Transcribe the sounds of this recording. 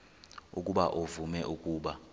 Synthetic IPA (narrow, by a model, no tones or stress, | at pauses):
ukʼuɓaʔovumɛʔukʼuːɓa